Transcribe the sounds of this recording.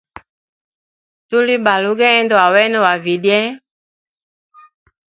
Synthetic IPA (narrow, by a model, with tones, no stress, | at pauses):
tu˦li˦ba˨lu˦ɡɛ˦ɛ˦ndɔ˦wa˨wɛ˦nɔ˦wa˨vi˨djɛ˦